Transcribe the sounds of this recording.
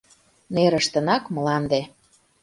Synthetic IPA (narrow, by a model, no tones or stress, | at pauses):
neɾəʃt̪ənɑkməlɑnd̪e